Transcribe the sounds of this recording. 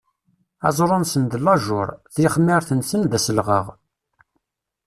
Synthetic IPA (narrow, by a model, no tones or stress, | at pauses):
æ̰zˤɾˤʊnsənd̪əlɑʒʊ̰ɾˤθiχmːəɾθənsənd̪æsəlʁəʁ